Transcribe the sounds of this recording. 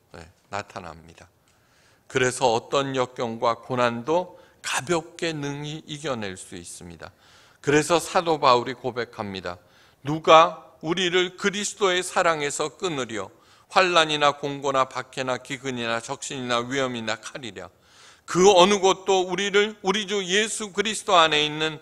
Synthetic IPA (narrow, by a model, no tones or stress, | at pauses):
nḛ | na̰tʰanɦa̰mɲid̥a | kɯɾe̞sʰʌːt͈ʌnjʌk̚k͈jʌŋɡwakonando | kabjʌk̚k͈e̞nɯŋiːɡjʌne̞ɭs͈uis͈ɯmɲida̰ | kɯɾe̞sʰʌsʰadobauɾikobe̞kʰamɲida̰ | nuɡauɾiɾɯɭkɯɾisʰɯ̥t͈oe̞sʰaɾaŋe̞sʰʌk͈ɯnɯɾjʌ̰ | ɸwaɭːaɲinakoŋɡonapakʰenakiɡɯɲinat͡ɕʌk̚ɕ͈iɲinaɥiʌminakʰaɾiɾjʌ̰ | kɯʌnɯɡʌt̚t͈ouɾiɾɯuɾid͡ʑuje̞sʰukɯɾisʰɯ̥toane̞inːɯn